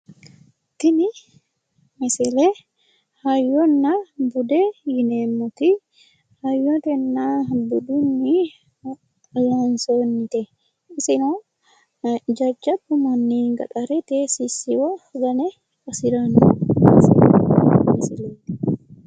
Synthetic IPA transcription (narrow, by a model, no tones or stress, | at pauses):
t̪ini | mɛsɛlɛ | hajɔnːabud̪ɛjinɛmːɔt̪i | hajːɔt̪ɛnːabudunːi | lansonːit̪ɛː | sinɔ | d͡ʒɐd͡ʒːabumanːiŋɡɐ̰ɗaɾɛt̪ɛsisiwɔɡɐnɛ | kɔsiɾanuɛ̰si | mɛsɛlɛd